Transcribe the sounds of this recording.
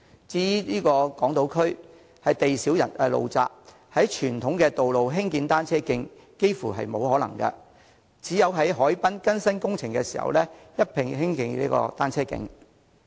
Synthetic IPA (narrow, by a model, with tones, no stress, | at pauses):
t͡siː˥liː˥kɔː˧kɔː˨˥ŋt̪o˨˧˥wkʰɵ˥ɥ | hɐ˨jt̪e˨jsi˨˥wjɐ̰˨˩nʔɛ˧lo̰˨wt͡sa̰ː˧p̚ | hɐ˨˥jt͡ʃʰyː˨˩nt̪ʰʊ˨˥ŋkɛː˧t̪o˨wlo˨wɦɪ˥ŋkiː˨˧nt̪aː˥nt͡sʰɛː˥kɪ˧ŋ | ke˥jfuː˨˩ɦɐ̰˨jmo˨˧whɔː˨˥lɐ˨˩ŋkɐ̰˧ | t͡siː˨˥jɐ˨˧wɦɐ˨˥jɦɔː˨˥jpɐ˥nkɐ˥nsɐ˥nkʊ˥ŋt͡sʰɪ˨˩ŋkɛ˧siː˨˩hɐ̰˨wlɛː˥jɐ˥t̚pʰɪ˨ŋhɪ˥ŋkɪ˧ŋlḭː˥kɔ̰ː˧t̪aː˥nt͡sʰɛː˥kɪ̰˧ŋ